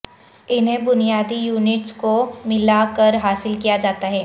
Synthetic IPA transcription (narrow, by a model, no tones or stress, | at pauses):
ɪnɦẽbʊnijaːd̪ijuːnɪʈskomɪlakəɾɦaːsɪlkijad͡ʒaːt̪aɦɛː